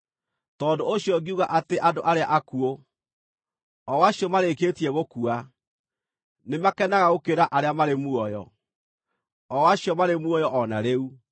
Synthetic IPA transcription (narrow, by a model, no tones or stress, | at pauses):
tɔːndoːɕjɔɡiuɣaʔateʔadoʔaɾeaʔakuo | ɔwaɕjɔmaɾekeːtiɛɣokua | nemakɛnaɣaɣokeɾaʔaɾeamaɾemuɔjɔ̰ | ɔwaɕjɔmaɾemwɔjɔʔɔnaɾeu